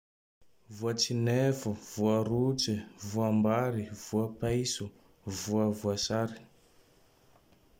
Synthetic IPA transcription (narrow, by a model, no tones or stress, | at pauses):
vuat͡sinefuv̥uəɾut͡sivuambaɾiv̥uapajsu | vuəvuasaɾi̥